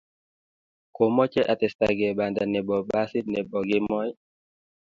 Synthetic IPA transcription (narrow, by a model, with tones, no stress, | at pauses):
ko˨mɔ˦t͡ʃɛ˦ʔa˨tɛ˨sta̰˨ɡɛ˨ɓa˨nda˨nɛ˨ɓɔ˨ɓa˦si˦nɛ˨bɔ˨ɡɛ˦mɔ˦j